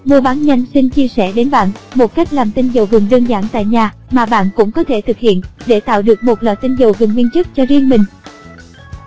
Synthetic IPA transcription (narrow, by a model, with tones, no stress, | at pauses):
mu˧əɓaː˨˦nɲa˧jŋ̟si˧ŋ̟t͡ɕi˧əsɛ˧˩ɗe˨˦nɓa̰ː˧˨nmo˨˩t̚ka˦˥jk̟̚laː˨˩mt̪ï˧ŋzə˨˩wɣɨ˨˩ŋɗəː˧nzaː˧˩ŋt̪a̰ː˧˨jɲaː˨˩ | maː˨˩ɓa̰ː˧˨nkʊ̰˧˥ŋ͡mkɔ˨˦t̪ʰe˧˩t̪ʰɨ˨˩k̚hḭ˧˨ənɗe˧˩t̪a̰ː˧˨wɗɨ˨˩ək̚mo˨˩t̚lɔ̰ː˨˩jt̪ï˧ŋzə˨˩wɣɨ˨˩ŋŋwi˧ənt͡ɕɨ˦˥k̚t͡ɕɔ˧zi˧əŋmï˨˩ŋ̟